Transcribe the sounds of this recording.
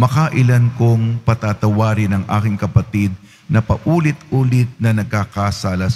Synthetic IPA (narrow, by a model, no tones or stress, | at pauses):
mɐkaʔɪlankoŋpɐt̪aːt̪ɐwaːɾɪnɐŋʔa̰ːkɪŋkɐpɐt̪id̪̚ | nɐpɐʔuːlɪt̪ʔuːlɪt̪̚nɐnɐɡ̚kakasaːlɐ